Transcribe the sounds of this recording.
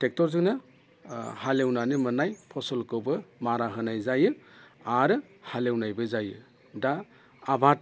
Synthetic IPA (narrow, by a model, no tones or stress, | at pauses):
tek̚tɔɾzɯŋna | halewnanimɯnajpʰɔsɔlkɯwbɯmaɾaɦɯnajzajɯ | aɾɯ | halewnajbɯzajɯ | daː | bʱat̚